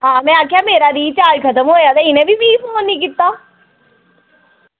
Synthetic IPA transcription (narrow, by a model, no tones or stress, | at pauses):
ɦãːmɛ̃ːaːkʰjaːmeːɾaːɾiːt͡ʃaːd͡ʒkʰət̪əmɦoːjaːt̪aːɪnẽːbʱiːpiːponĩːk̬ɪt̪ːaː